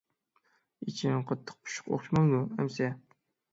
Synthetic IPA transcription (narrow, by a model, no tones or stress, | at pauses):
it͡ʃʰiŋqʰɑt̪ʰːə̥q̚pʰu̥ʃʊ̥qo̰χʃmɑŋmuɛmsɛ